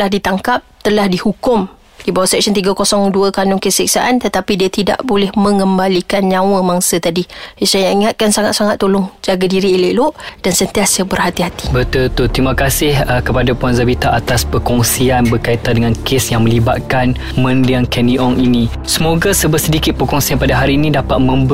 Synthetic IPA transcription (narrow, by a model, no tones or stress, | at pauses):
lahdit̪aŋkap̚t̪əlahdihukʊm | dibawasɛk̚sənt̪iɡakosɔŋduəkanʊŋkəsik̚saʔant̪ət̪apidiat̪ida̰ʔbolɛhmə̃ŋəmbalikanɲãwəmaŋsət̪adijasajaiŋat̪̚kansaŋat̪̚saŋat̪ːolʊŋd͡ʒaɡadiɾiːliʔloʔd̥ansənt̪iasəbərhat̪iɦat̪i̥bət̪ult̪ut̪ɾimakasɪhkəpadapuanzabit̪aat̪aspəkɔŋsianbərkait̪andəŋãnkʰesjaŋmə̃libat̪̚kan | mə̃ndiaŋkɛniʔɔŋini | səmoɡasəbəsədikɪt̪̚pəkɔŋsianpadaɦaɾiːnĩdapat̪̚mə̃mb